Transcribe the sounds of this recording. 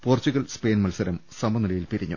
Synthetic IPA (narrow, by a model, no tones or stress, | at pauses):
po̞ːrt͡ɕuɣɐlspe̞ːnmɐlsɐɾɐmsɐmɐniɽɐjilpiɾiɲːṵ